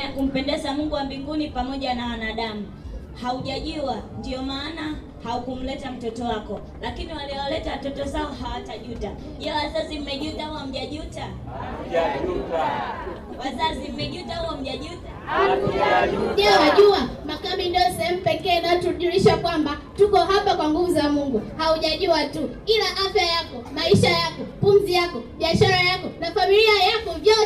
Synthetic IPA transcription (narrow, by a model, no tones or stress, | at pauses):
jakum̩pɛndɛzamuŋɡuwambiŋɡunipamɔʄanawanaɗamu | hauʄaʄuandiɔmaːna | haukum̩lɛtam̩tɔtɔwakɔ | lakiniwaliɔwalɛtawatɔtɔzaɔɦawataʄuta | ʄɛwazazim̩mɛʄutauwam̩ʄaʄuta | u | wazasim̩mɛʄutawam̩ʄaʄuta | ʄɛwaʄuamakamindiɔsɛhɛmupɛkɛːnatuɗuɾiʃakwambatukɔɦapakwaŋɡuvuzamuŋɡuhauʄaʄuatukilaʔafjajakɔmaiʃajakɔpumzijakɔɓiaʃaɾajakɔnafamiliajakɔvjɔ